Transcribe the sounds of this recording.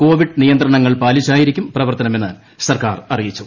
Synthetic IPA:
ko̞ːʋiɖnijɐnt̪rɐɳɐŋːɐɭpaːlit͡ɕːaːjiɾikʲːumprɐʋɐrt̪ɐnɐme̞nːa̰ːl | sɐrkaːrɐrijit͡ɕːu

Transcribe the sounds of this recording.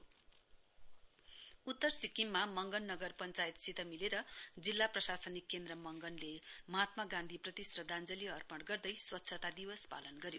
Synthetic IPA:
ut̪ːʌrsikːimmamʌŋɡʌnːʌɡʌrpʌnt͡sajit̪sit̪ʌmileɾʌd͡zilːaprʌsasʌnikːend̪rʌmʌŋɡʌnlemʌɦat̪mʌɡãnd̪ʱiprʌt̪isrʌd̪ʱand͡zʌliɦʌrpʌɽɡʌrd̪ʌjswʌtːsʰʌt̪ad̪ibʌspa̰lʌnɡʌɾjo

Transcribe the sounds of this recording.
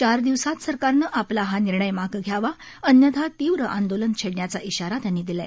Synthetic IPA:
t͡ɕaɾd̪iʋsat̪səɾkaɾnəʔaplaɦaniɾɳəjmaɡɡʱjaʋa | ənjəd̪ʱat̪iʋɾəʔa̰nd̪olənt͡ɕʰeɽɳjat͡saʔiɕaɾat̪janːiːd̪ila̰

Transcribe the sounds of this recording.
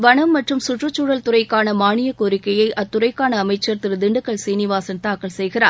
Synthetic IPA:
ʋɐɳɐmːɐʈrɯmsʊʈrɯt͡ʃːuːɽɐlt̪ʊrɐɪkːaːnɐmaːɳɪjɐkoːɾɪkːɐjɐɪʔɐt̪ːʊrɐɪkːaːnɐːmɐɪt͡ʃːɐɾt̪ɪɾɯd̪ɪɳɖɯkːɐɭseːnɪʋaːsɐnt̪aːkːɐɭsɛjɣɪra̰ːɾ

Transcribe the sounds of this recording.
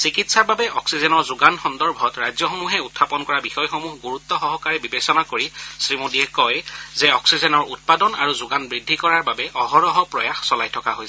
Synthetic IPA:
sikitsaɹbabɛʔɔksizɛnɔɹzuɡanxɔndɔɹbʱɔtɹajzjɔxɔmuɦɛutʰːapɔnkɔɹabixɔjxɔmuɦɡuɹut̪ːɔxɔɦɔkaɹɛbibesɔnakoɹisɹimudiɛkɔjzɛɔksizɛnɔɹut̚padɔna̰ɹuzʊɡanbɹidʱːikɔɹaɹbabɛʔɔɦɔɹɔɦɔpɹɔjaxsɔlajtʰɔkaɦojsɛ

